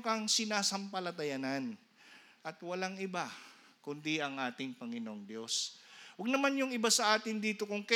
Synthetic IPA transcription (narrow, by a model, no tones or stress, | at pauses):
kɐŋsɪnaːsɐmpɐlɐt̪ɐjanan | ʔɐt̪wɐlaŋɪba | kʊnd̪iʔɐŋʔaːt̪ɪŋpɐŋɪnoʔŋd̪jo̞swɐɡ̚nɐmanjʊŋɪbasɐʔaːt̪ɪnd̪iːt̪o̞kʊŋkɐ